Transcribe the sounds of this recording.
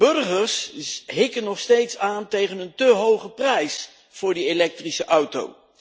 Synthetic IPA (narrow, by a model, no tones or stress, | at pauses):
b̥ɵrχəɹsɦɪkənːɔχstejtsaːntejχənəntəɦowχəprɛjs | fʊːɹdielɛk̚trisəʔʌwto̰w